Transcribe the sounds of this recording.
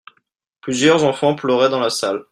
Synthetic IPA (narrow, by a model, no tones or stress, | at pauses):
plyzjœʁzɑ̃fɑ̃plœʁɛd̪ɑ̃lasal